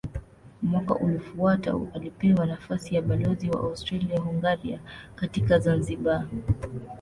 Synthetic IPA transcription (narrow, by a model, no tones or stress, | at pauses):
mwaka̰ʔulifuata̰alipɛwanafasijaɓalɔziwa̰ʔaustɾaliahuŋɡaɾiakatikazanziɓa